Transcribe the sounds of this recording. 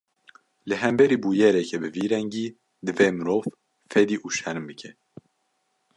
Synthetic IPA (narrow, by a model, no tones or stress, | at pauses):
lɨɦɛmbɛɾiːbuːjɛɾɛkʰɛbɨviːɾɛŋɡiː | d̪ɨveːmɨɾoːv | fɛd̪iːʔuʃɛɾɨmbɨkʰɛ